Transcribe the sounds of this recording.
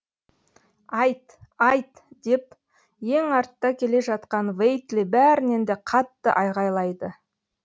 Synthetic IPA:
ɑjt̪ɑjt̪ | d̪̥e̞p̚ | je̞ŋɑɾt̪ːɑkʲʰe̞le̞ʒɑt̪qɑnvejt̪libæɾɪne̞nd̪e̞qʰɑt̪ːə̰ʔɑjʁɑjlˠɑjd̪ə

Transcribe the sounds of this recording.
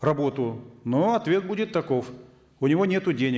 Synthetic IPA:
rɐbo̞t̪ʊnoɐt̪vʲe̞t̪̚budʲɪt̪ːɐko̞f | ʊnʲɪvonʲet̪ʊdʲenʲɪ

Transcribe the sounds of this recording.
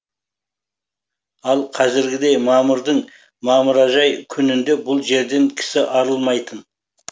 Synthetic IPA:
ɑlˠqʰɑzɪɾɡʲɪd̪e̞jmɑməɾd̪əɴ | mɑməɾɑʒɑjkʲʰʏnɪnd̪e̞bʊlˠʒe̞ɾd̪e̞ŋkʲʰɪ̥sɪʔɑɾəlˠmɑjt̪ən

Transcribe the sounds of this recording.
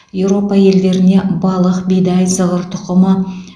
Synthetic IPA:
jewɾo̞pɑje̞ld̪e̞ɾɪne̞bɑlˠəqbijd̪ɑj̪səʁəɾt̪ʰʊqəmə

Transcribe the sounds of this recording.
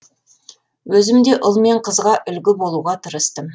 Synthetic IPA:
wɵzɪmd̪e̞ʔʊlˠme̞ɴqʰəzʁɑʔʏlɡʲɪbo̞lˠuʁɑt̪ʰəɾəst̪əm

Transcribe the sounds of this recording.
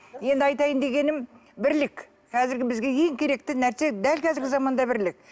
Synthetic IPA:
je̞nd̪ɪɑjt̪ɑjənd̪e̞ɡʲe̞nɪm | bɪɾlɪk | qʰɑzɪɾɡʲɪbɪzɡʲe̞je̞ŋkʲʰe̞ɾe̞k̚t̪ɪnæɾse̞d̪ælkʲʰæzɪɾɡʲɪzɑmɑnd̪ɑbɪɾlɪk̚

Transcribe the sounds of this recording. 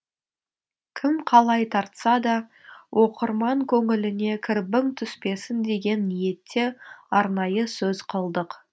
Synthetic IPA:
kʲʰɪmqʰɑlˠɑjt̪ʰɑɾt̪sɑd̪ɑ | wʔo̞qəɾmɑŋkʲʰɵŋɪlɪne̞kʲʰɪɾbɪŋt̪ʰʏspe̞sɪnd̪e̞ɡʲe̞nːije̞t̪ʰːeɑɾnɑjəsɵzqʰəlˠd̪əq

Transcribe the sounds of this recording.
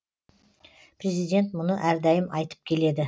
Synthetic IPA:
pʰɾʲe̞zijd̪ʲe̞nt̪mʊnəʔæɾd̪ɑjɪmɑjt̪ə̥p̚kʲʰe̞le̞d̪ɪ

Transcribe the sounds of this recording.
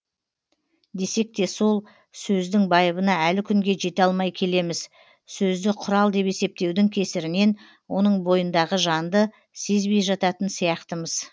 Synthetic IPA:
d̪e̞se̞k̚t̪e̞so̞lˠ | sɵzd̪ɪŋbɑjəβənɑælɪkʲʰʏŋɡʲe̞ʒe̞t̪ɑlˠmɑjkʲʰe̞le̞mɪz | sɵzd̪ɪqʰʊɾɑlˠd̪e̞pe̞se̞p̚t̪e̞wd̪ɪŋkʲʰe̞sɪɾɪne̞n | wo̞nəɴbo̞jənd̪ɑʁəʒɑnd̪ə | se̞zbe̞jʒɑt̪ɑt̪ənsijɑqt̪əməz̥

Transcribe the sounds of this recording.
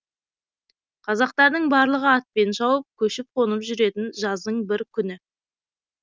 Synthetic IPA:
qʰɑzɑqt̪ɑɾd̪əɴbɑɾlˠəʁəɑt̪̚pe̞nʒɑwəp̚kʲʰɵʃɪp̚qʰo̞nəpʒʏɾe̞t̪ɪnʒɑzd̪əɴbɪɾkʲʰʏnɪ

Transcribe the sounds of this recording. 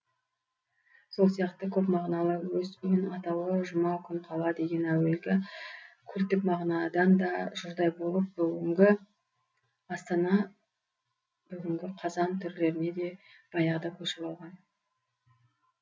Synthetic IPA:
so̞lˠsijɑqt̪əkʲʰɵpmɑʁnɑlˠəwɵzʏɪnɑt̪ɑwəʒʊmɑkʲʰʏɴqʰɑlˠɑd̪e̞ɡʲe̞næwe̞lɡʲɪkʲʰɵɾt̪ɪpmɑʁnɑd̪ɑnd̪ɑʒʊɾd̪ɑjbo̞lˠəp̚bʏɡʲɪŋɡʲɪ | ɑst̪ɑnɑ | b̥ʏɡʲɪŋɡʲɪqʰɑzɑnt̪ʰʏɾle̞ɾɪne̞d̪e̞ | b̥ɑjɑʁd̪ɑkʲʰɵʃɪpɑlˠʁɑn

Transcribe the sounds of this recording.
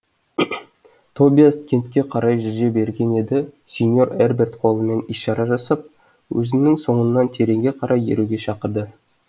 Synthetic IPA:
t̪ʰo̞bʲijaskʲʰe̞nt̪kʲe̞qʰɑɾɑjʒʏzɡe̞be̞ɾɡʲe̞ne̞d̪ɪ | sʲenʲjo̞ɾerbe̞rt̪qʰo̞lˠəme̞niʃɑɾɑʒɑsɑp̚ | wɵ̰zɪmnɪŋso̞ɴənːɑnt̪ʰe̞ɾe̞ŋɡʲe̞qʰɑɾʔɑjḛɾuɡʲe̞ʃɑqəɾd̪ə

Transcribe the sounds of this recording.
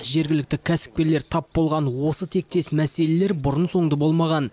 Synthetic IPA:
ʒe̞ɾɡʲɪlɪk̚t̪ɪkʲʰæsɪ̥k̚pʲe̞ɾle̞ɾt̪ʰɑpːo̞lˠʁɑnwo̞sət̪ʰe̞k̚t̪e̞smæse̞lele̞ɾbʊɾənso̞ɴd̪əbo̞lˠmɑʁɑn

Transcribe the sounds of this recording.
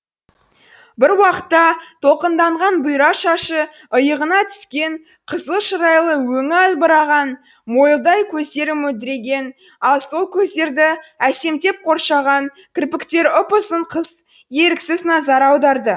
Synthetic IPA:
bɪɾwɑqə̥t̪ːɑt̪ʰo̞qənd̪ɑɴʁɑnbʊjɾɑʃɑʃə | əjəʁənɑt̪ʰʏ̥skʲe̞ɴ | qʰəzəlˠʃəɾɑjlˠəwɵŋɪɑlbəɾɑʁɑn | mo̞jlˠd̪ɑjkʲʰɵzd̪e̞ɾɪmɵld̪ɪɾe̞ɡʲe̞n | ɑlˠso̞lˠkʲʰɵzd̪e̞ɾd̪ɪæse̞mt̪e̞p̚qʰo̞ɾʃɑʁɑn | kʲʰɪɾpɪkt̪e̞ɾʊpəsəɴqʰəz | je̞ɾɪksɪznɑzɑɾɑwd̪ɑɾd̪ə

